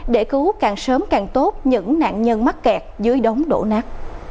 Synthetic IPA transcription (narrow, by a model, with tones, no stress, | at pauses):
ɗe˧˩kɨ˨˦kaː˨˩ŋsəː˨˦mkaː˨˩ŋt̪o˦˥t̚ɲɨ̰˧˥ŋna̰ː˧˨nɲə˧nma˦˥t̚kɛ˨˩k̚zɨ˨˦əjɗə˨˦wŋ͡mɗo̰˧˩naː˦˥k̚